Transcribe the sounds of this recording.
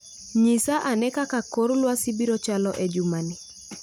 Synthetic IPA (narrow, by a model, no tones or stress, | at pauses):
ɲisaʔanɛkakakoɾlwasibiɾɔt͡ʃalɔʔɛd͡ʒumanɪ